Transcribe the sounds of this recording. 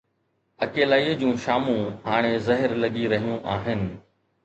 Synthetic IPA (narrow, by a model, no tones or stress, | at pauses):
ɐkeːlaːiːd͡ʑũːʃaːmũɦaːɽ̃ezɐɦɪɾlɐɠiɾɐɦijũʔaːɦɪnɪ̆